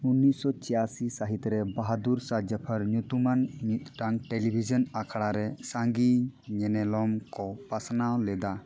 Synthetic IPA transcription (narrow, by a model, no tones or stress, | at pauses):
unːisɔt͡ʃijasisaɦit̪ɾɛbaɦad̪uɾsad͡ʒəpʰaɾɲut̪umanmit̪ʈaŋʈelibʱizɔnakʰaɽaɾɛsaŋɡiɲɛnɛlɔmkɔpasnawlɛd̪a